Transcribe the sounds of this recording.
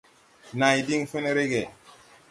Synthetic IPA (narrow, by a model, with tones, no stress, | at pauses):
na˨i˨di˦ŋfe˦ne˦ɾe˦ɡe˨